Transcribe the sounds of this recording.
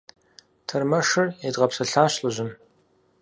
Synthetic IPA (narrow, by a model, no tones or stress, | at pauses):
tʰɐrmɐʂɨredʁɐpsɐɬaːɕɬɨʑɪm